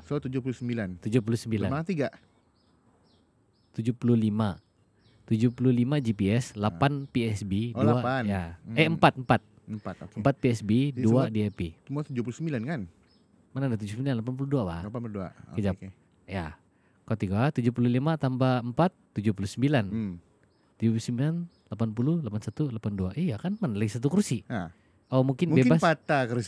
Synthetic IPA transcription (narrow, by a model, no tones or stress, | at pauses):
sot̪ud͡ʒʊpulusəmbilant̪ud͡ʒup̬ulusəmbilanmaat̪iɡaʔ | t̪ud͡ʒupululima | t̪ud͡ʒupululimad͡ʒipiɛslapanpiɛsbiduaaajaɛəmpat̪̚əmpat̪̚ | əmpat̪kmpat̪̚piɛsbiduadiapiumaat̪ud͡ʒupulusəmbilankan | manadat̪ud͡ʒusəmbilanlapanp̬uluduaba̰lpda̰kəd͡ʒap | ja | kat̪iɡat̪ud͡ʒuhpululimat̪ambaəmpat̪ːud͡ʒupulusəmbilan | t̪ud͡ʒupulusəmbilan | lapanpululapansat̪ulapanduaʔijakanmanalaɡisat̪̬ukursi | omuŋkɪnmbebasat̪akəɾs